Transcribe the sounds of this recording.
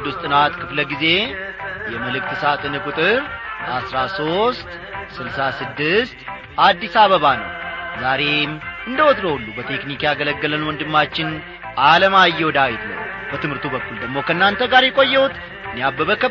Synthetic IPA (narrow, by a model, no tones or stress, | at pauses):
d̪ːust̪ʼɨnat̪kʰɨfləɡize̞jɛməlɨk̚t̪ʰɨsat̪ʼɨnɨkʼʊt̪ʼɨɾasɾaso̞st̪ | sɨlsasɨd̪ːɨst̪ | ʔad̪ːisaβəβanə̰wzaɾe̞mɨnd̪əwɔt̪ɾoulːubət̪ʰe̞knikjaɡələɡːələnwɔnd̪ɨmːat͡ʃːɪn | ʔaləmajːɛwɔd̪awjɪt̪lə̰wb̥ət̪ɨmhɨɾt̪ʰubəkːuld̪əɡmo̞kʰəɨnːant̪ʰəɡaɾjɛkʼo̞jːɛwut̪ | ɨnːejabːəβəkə